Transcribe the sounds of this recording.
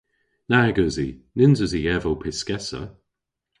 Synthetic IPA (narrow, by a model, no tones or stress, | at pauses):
naɡəzinɪnzəziɛvəwpʰɪskɛsə̰